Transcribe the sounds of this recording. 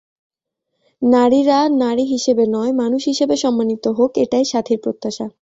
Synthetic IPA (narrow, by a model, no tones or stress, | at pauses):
naɾiɾanaɾiɦiʃebenɔemanuʃɦiʃebeʃɔmːanit̪oɦokeʈajʃat̪ʰiɾpɾot̪ːaʃa